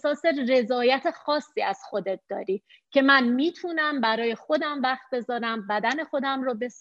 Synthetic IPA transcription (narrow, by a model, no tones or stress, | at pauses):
sɒːsere̞zɒːjæt̪ʰe̞xɒːsːiːæz̥xo̞d̪e̞t̪̚d̪̥ɒ̰ːɾiː | cʰe̞mænmiːt̪ʰuːnæmbæɾɒːjexo̞d̪æmvæxt̪̚be̞zɒːɾæmbæd̪æne̞xo̞d̪æmrɒːbe̞s